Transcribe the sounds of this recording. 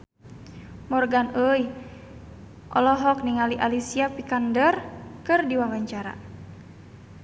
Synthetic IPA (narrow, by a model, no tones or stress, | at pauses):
mɔrɡanəj | ʔɔ̰lɔɦɔk̚niŋaliʔalisiapikandərkɨrdiwawaɲt͡ʃaɾa̰